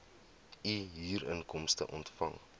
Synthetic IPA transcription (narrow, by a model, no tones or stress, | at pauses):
iɦiːɾənkɔmstə̰ʔɔntfɐ̰ŋ